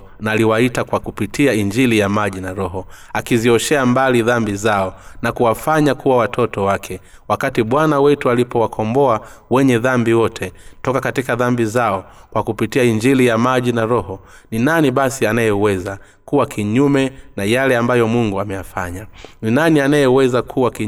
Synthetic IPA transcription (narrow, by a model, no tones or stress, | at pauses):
naliwaitakwakupitiaiɲd͡ʒilijamaʄinaɾɔɦɔ | akiziɔʃɛambaliðambizaɔnakuwafaɲakuwawatʰɔtɔwakʰɛ | wakatiɓwanawɛtualipɔwakʰɔmbɔawɛɲɛðambiwɔtʰɛtɔkakatikaðambizaɔkwakupitiaiɲd͡ʒilijamaʄinaɾɔhɔ | ninaniɓasianajɛwɛza | kuwakʰiɲumɛnajalɛambajɔmuŋɡuamɛjafa̰ɲaninanianajɛwɛzakʰuwaki